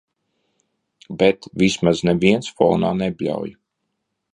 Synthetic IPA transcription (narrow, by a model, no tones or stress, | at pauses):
bɛt̪vʲismaznɛviɛnsfɔːnaːnɛbʲlʲa̰wj